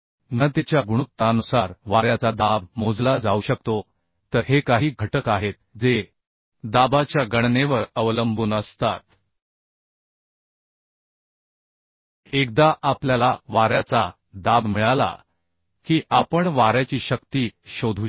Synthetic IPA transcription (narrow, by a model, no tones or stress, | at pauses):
nət̪et͡ɕjaɡuɽ̃ut̪ːanusaɾʋaɾjat͡sad̪abmod͡zlad͡zauɕək̚t̪o | t̪əɾɦekaɦiːɡʱəʈəkaɦet̪̚d͡ze | d̪abat͡ɕjaɡəɽneʋəɾəʋləmbuːnəst̪at̪ | ek̚d̪aʔapljalaʋaɾjat͡sa | d̪abmiɭala̰ | kiːʔapəɳʋaɾjat͡ɕiːɕəkt̪iːɕod̪ʱu